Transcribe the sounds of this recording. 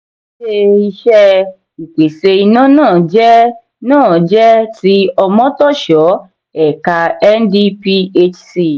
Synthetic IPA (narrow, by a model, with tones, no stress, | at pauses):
ʃe˧i˧ʃɛ˦ | i˨k͡pe˨se˧i˧nã˦nãː˦˨d͡ʒɛ˦ | nãː˦˨d͡ʒɛ˦ti˦ɔ˧mɔ̃˦tɔ˦˨ʃɔ˨˦ | ɛ˨ka˧ɛ˦ndi˦pi˦e˦t͡ʃsi˦˨